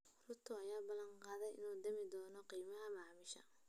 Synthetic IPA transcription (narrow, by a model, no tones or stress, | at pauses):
rʊt̪ʰʊɐjaːbɐlɐnqɑːðɛjʔɪ̰nuːd̪ɐmɪd̪ɔːnɔqiːmɐɦɐmɑʕmɪʃɐ̰